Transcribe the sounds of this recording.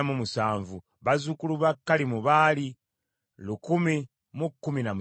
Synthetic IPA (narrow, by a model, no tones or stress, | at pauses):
mumusaːɱvu | βazukuluβakːalimuβaːli | lukumi | mukːuminamu